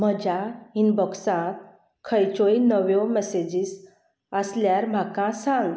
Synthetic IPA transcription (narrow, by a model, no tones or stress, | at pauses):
m̤əd͡ʑainbɔksãt̪̚ | kʰəjt͡ɕɔinəʋjɔmɛsed͡ʑis | əsljaɾm̤akãsãŋɡ